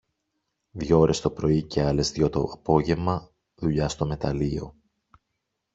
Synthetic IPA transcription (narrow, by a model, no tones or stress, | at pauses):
ðʝooɾe̞st̪o̞pɾo̞ice̞ɐle̞zðjʝo̞t̪oɐpo̞ʝe̞vmɐ | ðuʎɐst̪o̞me̞t̪ɐlio̞